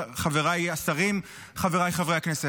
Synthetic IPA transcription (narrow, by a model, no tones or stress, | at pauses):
χaveʁajasaʁim | χaveʁajχavʁeaknese